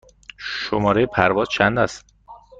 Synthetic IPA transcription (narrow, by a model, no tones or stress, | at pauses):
ʃomɒːɾejepʰæɾvɒːzt͡ʃʰænd̪æs